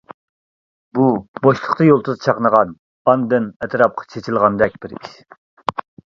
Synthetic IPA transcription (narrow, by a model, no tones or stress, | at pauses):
buboʃlˠəχt̪ɑjolˠt̪ʰuzɨt͡ʃʰɑqnəʁɑn | ɑnd̪ɨnɛt̪ʰɾɑp̚qʰɑ̥t͡ʃʰet͡ʃʰilˠʁɑnd̪ɛk̚ʲb̥ɪɾḭʃ